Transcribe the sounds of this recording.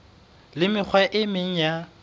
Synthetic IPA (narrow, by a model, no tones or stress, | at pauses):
lɪmɪk͡xʰwaʔɪmeŋ̩ja